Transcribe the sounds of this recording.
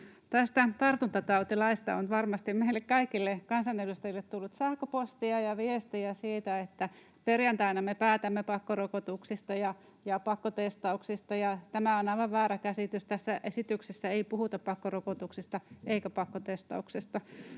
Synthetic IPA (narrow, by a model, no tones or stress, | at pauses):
t̪æst̪æt̪ɑrt̪unt̪ɑt̪ɑut̪ilɑist̪ɑ̰onʋɑrmɑst̪immeilːekkɑikilːekɑnsɑnedust̪ɑjilːet̪t̪ulːut̪sæhkøpost̪iɑjɑʋiest̪iæsiːt̪æet̪ːæ | perjɑnt̪ɑinɑmepæːt̪æmːepɑkːorokot̪uksist̪ɑjɑ | jɑpɑkːot̪est̪ɑuksist̪ɑjɑt̪æmæonɑiʋɑʋʋæːɾækæsit̪yst̪æsːæʔesit̪yksesːæeipuhut̪ɑppɑkːorokot̪uksist̪ɑeikæpɑkːot̪est̪ɑ̰uksest̪ɑ